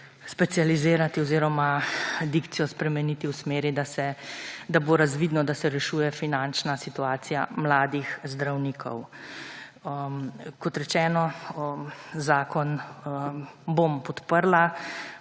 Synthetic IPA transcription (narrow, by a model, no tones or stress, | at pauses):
spɛt̪sijalizeːɾat̪iɔziːɾɔmad̪ikt̪sijɔspɾɛmɛniːt̪iwsmeːɾid̪asɛd̪aboɾazʋiːd̪nɔd̪asɛɾɛʃuːjɛfinant͡ʃnasit̪uaːt̪sijamlaːd̪ixzd̪ɾawniːkʰɔ̰w | kɔt̪ɾɛt͡ʃɛːnɔ | zaːkɔn | bompɔt̪pəɾla